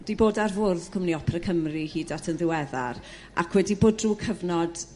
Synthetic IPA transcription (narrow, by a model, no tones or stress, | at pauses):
d̥iboːdarvʊrðkʰʊmniɔpʰrəkʰəmrihiːdatʰənðɪwɛða̰r | a̰kʰwɛdiboːd̚ruːkʰəvnɔd̥